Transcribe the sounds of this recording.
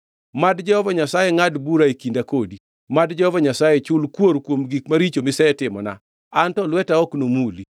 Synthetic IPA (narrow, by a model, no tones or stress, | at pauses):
madd͡ʒɛhɔvaɲasajɛŋadbuɾaekindakodi | madd͡ʒɛhɔvaɲasajɛt͡ʃʊlkwoɾkwomɡikmaɾit͡ʃomɪsɛɛtɪmɔ̰na̰ | antɔlwɛtaɔknomuli